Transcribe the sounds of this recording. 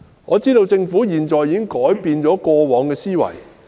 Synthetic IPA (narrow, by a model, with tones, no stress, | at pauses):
ŋɔː˨˧t͡siː˥t̪o˧wt͡sɪ˧ŋfuː˨˥jiː˨˩nt͡ʃɔː˨˧jiː˨˧kɪ˥ŋkɔː˨˥jpiː˧nt͡ʃɔː˨˥kɔː˧wɔː˨˧˥ŋkɛː˧siː˥wɐ̰˨˩j